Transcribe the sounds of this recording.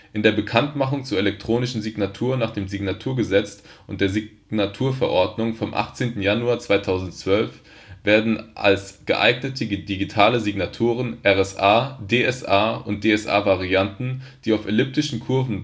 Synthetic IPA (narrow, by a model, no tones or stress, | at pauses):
ʔɪndeːɐbəkʰantmaχʊŋt͡suːɐelɛk̚tʁ̥oːnɪʃn̩ziɡnatʰuːɐnaːχd̥eːmziɡnatʰuːɐɡəzɛt͡stʊntd̥eːɐzi | natʰuːɐfɛɐʔɔɐdnʊŋfɔmʔa̰χt͡seːntn̩januaːɐt͡sv̥aɪtʰaʊzn̩tt͡sv̥œlf | v̥eːɐdn̩ʔa̰lsɡ̥ə̰ʔa̰ɪɡnətʰədiɡitʰaːləziɡnatʰuːʁənʔɛʁɛsaːdeːɛsaːʊnt̚d̥eːɛsʔa̰ːvaʁiantn̩ | d̥iːaʊfɛlʏp̚tɪʃn̩kʰʊɐvn̩